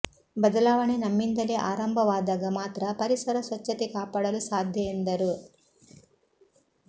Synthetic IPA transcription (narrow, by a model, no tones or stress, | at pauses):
bɐd̪ɐlaːʋɐɳenɐmːind̪ɐleʔaːɾɐmbʱɐʋaːd̪ɐɡɐmaːt̪ɾɐpɐɾisɐɾɐsʋɐt͡ʃːɐt̪ikaːpaːɽɐlusaːd̪ʱjɐend̪ɐɾu